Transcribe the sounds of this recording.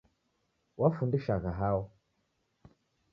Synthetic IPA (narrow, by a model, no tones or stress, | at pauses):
wafundəʃaɣaɦaw